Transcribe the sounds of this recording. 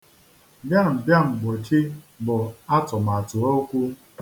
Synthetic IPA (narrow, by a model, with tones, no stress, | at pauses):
bja˦m̩˨bja˦ŋ͡m̩˨ɡ͡bo˨t͡ʃi˦ | bʊ˨a˦tʊ˨m˨a˨tʊ˨o˦kʷu˦